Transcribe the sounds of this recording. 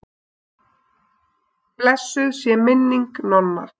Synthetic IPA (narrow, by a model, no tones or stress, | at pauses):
plɛsːʏðsjɛmɪnːiŋknɔnːa̰ɾ̥